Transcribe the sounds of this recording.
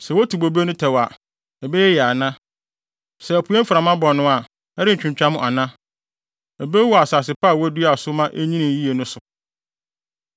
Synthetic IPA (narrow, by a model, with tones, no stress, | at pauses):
sɛ˨wo˦tʰi˨bo˨be˦nʊ̃˦tʰɛ˨wa˨ | ɛ˨bɛ˦jɛ˦jɛ˨a˨nã˦ | sɛ˨æ˨pʰu˨˦e˦fɾa˨mã˦bɔ˨nːʊ̃˦a˨ | ɛ˦ɾɪ˦ɲ̩˨t͡ɕᶣɪ̃˨ɲt͡ɕᶣa˦mʊ̃˨ʔa˨nã˦ | ɛ˨be˦wa˨saː˨sɪ˨pʰaː˦˨wɔ˦du˦a˨sʊ˦mã˦ʔe˦ɲĩ˦nĩ˨ji˦e˨nʊ̃˦sʊ˨